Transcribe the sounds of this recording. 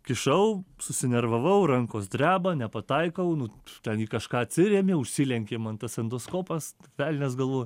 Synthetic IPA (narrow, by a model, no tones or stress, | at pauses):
kʲɪʃɐʊsʊsʲɪnʲɛɾʋɐʋɐʊɾɐŋkoːsd̪ʲɾʲæːbɐnʲɛpɐt̪ɐɪkɐʊnʊt̪ʲɛniːkɐʃkɑːɐt̪ʲsʲɪɾʲeːmʲeːʊʃʲsʲilʲɛŋʲkʲeːmɐnt̪ɐsʲɛnd̪oːskoːpɐsʋʲælʲnʲɛsɡɐlˠʋoːj